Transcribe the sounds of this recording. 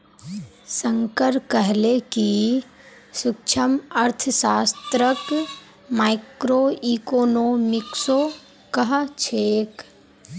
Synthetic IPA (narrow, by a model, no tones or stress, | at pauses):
sə̃ŋkəɾkəɦleki | sʊkt͡ʃʰəməɾt̪ʰəsaːst̪ɾək | maːɪkɾoiːkoːnoːmɪkso | kəɦt͡ʃʰeːk